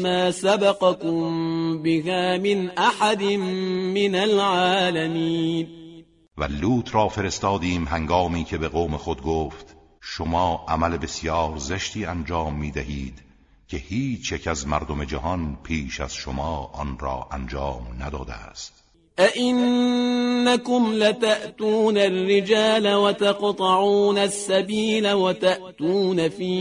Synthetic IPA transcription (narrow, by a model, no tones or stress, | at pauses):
maːsabɑqɑkʊmbɪhaːmɪnʔaħad̪ɪnmɪnalʕaːlamiːn | væ̰luːt̪ʰɾɒːfe̞ɾe̞st̪ɒːd̪iːmɦæŋɡɒːmiːcʰe̞be̞ɣoːme̞xod̪̚ɡoːft̪ | ʃomɒːʔæmæle̞be̞sjɒːɾzeʃt̪iːænd͡ʒɒːmːiːd̪æhiːd̪ | cʰe̞hiːt͡ʃʰjecʰæzmæɾd̪ome̞d͡ʒæɦɒnpʰiːʃæ̰z̥ʃomɒːʔɒnɾɒ̰ːʔænd͡ʒɒːmnæd̪ɒːd̪ḛæ̰st̪ | ʔaʔɪnː | akʊmlat̪aʔt̪uːnarːɪd͡ʒaːlawat̪ɑqt̪ˤɑʕuːnasːabiːlawat̪aʔt̪uːnafiː